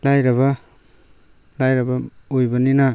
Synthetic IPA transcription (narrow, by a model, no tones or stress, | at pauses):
lajɾɐβɐ | lajɾɐbɐojbɐnina